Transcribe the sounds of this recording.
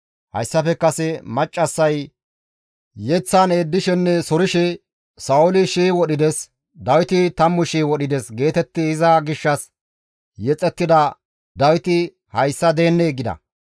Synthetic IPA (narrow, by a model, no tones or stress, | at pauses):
hɐ̰jsːɐfɛkːɐsɛmɐt͡ʃʼːɐsːɐj | jɛt͡sːaːneːd̪ːɪʃɛnːɛsɔɾɪʃɛ | sɐʊlɪʃeːwɔɗɪd̪ɛs | d̪ɐwɪt̪ɪt̪ɐmːʊʃiːwɔɗɪd̪ɛsɡe̞ːt̪ɛt̪ːɪɪzɐɡɪʃːɐs | jɛt͡sʼːɛt̪ːɪd̪ɐ | d̪ɐwɪt̪ɪ | hɐjsːɐd̪e̞ːnːeːɡɪd̪ɐ̰